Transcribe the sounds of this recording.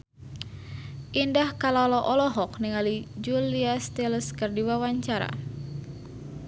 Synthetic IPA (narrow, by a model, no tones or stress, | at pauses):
ʔindahkalɔlɔʔɔlɔɦɔkniŋalid͡ʒuliast̪ilskərdiwawaɲt͡ʃaɾa̰